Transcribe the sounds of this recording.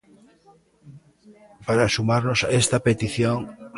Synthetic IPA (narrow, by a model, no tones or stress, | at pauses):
paɾasumaɾnosaest̪apet̪iθjoŋ